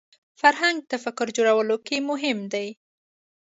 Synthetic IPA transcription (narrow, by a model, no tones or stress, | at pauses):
faɾɦaŋɡ̚t̪afakʊɾd͡ʒoɽawəlokemʊɦɪmd̪aj